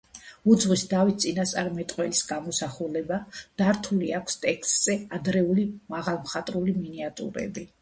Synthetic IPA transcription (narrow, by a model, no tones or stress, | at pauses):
ud̪zʁwisd̪avit̪̚ʰt̪sʼinast̪sʼaɾmɛt̪ʼqʼwɛlisɡamɔsaχulɛbad̪̥aɾt̪ʰuliakʷʰst̪ʼɛkʰst̪ʼz̥ɛad̪ɾɛulimaʁalˠmχat̪ʼɾuliminiat̪ʼṵɾɛ̰bi